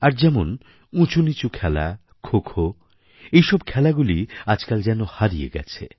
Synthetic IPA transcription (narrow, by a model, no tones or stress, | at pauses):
aɾd͡ʑɛmon | ũt͡ɕunit͡ɕukʰɛla̰ | kʰokʰo | ejʃɔb̚kʰɛlaɡuliad͡ʑkald͡ʑɛnohaɾijḛɡɛ̰t͡ɕʰḛ